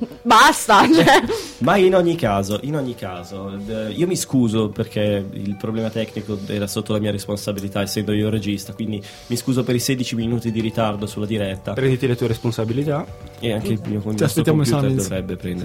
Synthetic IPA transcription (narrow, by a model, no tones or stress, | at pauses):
bast̪at͡ʃɛmainoɲːikaːzoʔinoɲːikʰaːzoiːomiskuːzoperkʰeḭlpɾoblɛːmat̪ɛkːnikoɛːɾasot̪ːolamiːaɾesponsabilit̪aɛsɛmpɾeioɾed͡ʒist̪akwind̪i | miskuːzopeɾised̪it͡ʃiminuːt̪id̪iɾit̪ard̪osulːad̪iɾɛt̪ːapɾɛnd̪it̪ilet̪ueɾesponsabilit̪aeaŋkelmiokomast̪eɾoːkamput̪ed̪ovɾɛbːepɾɛnd̪e